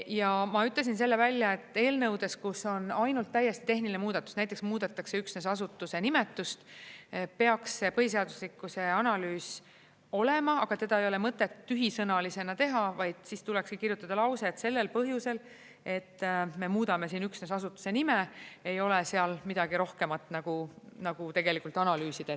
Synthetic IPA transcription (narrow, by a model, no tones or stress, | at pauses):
jɑmɑyt̪le̞s̬ins̬e̞lːe̞vælʲjɑe̞t̪ːˑe̞ːlnɤwd̪̥e̞skuso̞nɑjnult̪ːæjːe̞st̪i̥t̪e̞ɦnilinmuːd̪̥ɑt̪ːˑu̥snæjt̪ːˑeksmuːd̪̥ɑt̪ːˑɑkse̞yksne̞sɑsut̪ːˑuse̞nimet̪ːˑust̪ | pe̞ɑksːe̞pɤɦis̬e̞ɑd̪uslikːˑuse̞ɑnɑlyːs | o̞le̞mɑɑɡ̥ɑt̪e̞d̪ɑe̞jole̞mɤt̪ːˑe̞t̪ːyɦisɤnɑlise̞nɑt̪e̞ɦɑvɑjd̪̥siːst̪ulɛkskikirjut̪ːˑɑd̪ɑlɑwse̞t̪se̞lːe̞lpɤɦjuse̞l | e̞t̪ːme̞muːd̪ɑme̞siːnyksne̞sɑsut̪ːˑu̥se̞nimee̞jo̞lese̞ɑlmid̪ɑɡ̥iɾo̞hke̞mɑt̪ːˑnɑɡ̥unɑɡ̥ut̪e̞ɡe̞likˑult̪ˑɑnɑlyːsid̪̥e